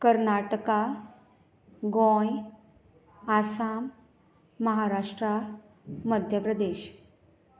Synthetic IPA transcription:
kəɾnaʈka | ɡõj | asamː | əɦaɾaʂʈɾa | məd̪ʱjəpɾəd̪eɕ

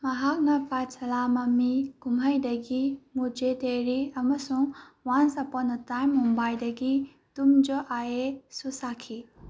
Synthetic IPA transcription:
mɐɦak̚nɐpasʰɐlamɐmiɡumɦajdɐɡimud͡ʒeteɾiɐmɐsuŋwansɐpɔnɐtajmːumbajldɐɡi | tumd͡ʒoʔaesusakʰi

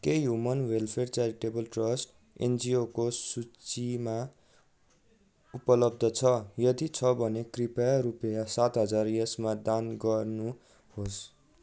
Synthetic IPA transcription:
kejɦumʌnwelpʰert͡saɾiʈebʌlʈrʌsʈ | ḛnd͡ziokosut͡sima | upʌlʌb̚d̪ʱʌt͡sʰʌjʌd̪it͡sʰʌbʱʌnekripajaɾupjasat̪ɦʌd͡zarjʌsmad̪anɡʌrnu | hos

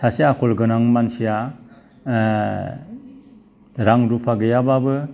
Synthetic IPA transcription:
saseakʰɔlɡɯnaŋmansija | ɾaŋɾupʰaɡɯjababɯ

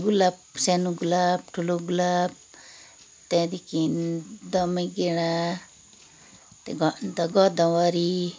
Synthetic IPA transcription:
ɡulap̚sɛnuɡulap̚ʈʰuloɡulap̚ | t̪ɛd̪ikind̪ɔmaɡeɽa | t̪ɛɡɔnd̪aɡɔd̪awaɾi

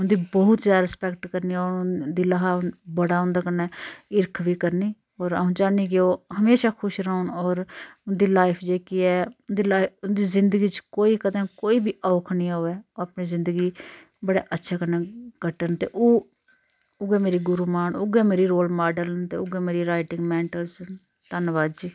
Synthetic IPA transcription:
ʊnd̪iːbəʊt̪zjaːd̪aɾɪspɛkʈkəɾniːoːd̪iːləɦaːnbəɽaːʊ̃nd̪aːkənɛːɪɾkʰbiːkəɾniː | ɔːɾaːɦũd͡ʒaːniːk̬ɪoːɦəmeːʃaːkʰʊʃɾaʊnɔːɾʊnd̪iːlaːɪpʰd͡ʒeːkiɛːʊnd̪iːlaːʊnd̪iːzɪnd̪əɡiːt͡ʃkoːiːkəd̪ãːkoːiːbiːʔɔːkʰnĩːaoːɛːoːaːpniːzɪ̃nd̪əɡiː | bəɽḛːʔətːʃʰaːkənɛːɡ̥ʱəʈənt̪ḛːʔoː | ʊɡɛːmeːɾiːɡʊɾuːmaːnʊɡɛːmeːɾiːɾoːlmaːɖəlt̪ḛːʊɡɛːmeːɾiːɾaːɪʈɪ̃ŋɡmɛ̃ːɳʈəlz | t̪ənʋaːd͡ʒiː

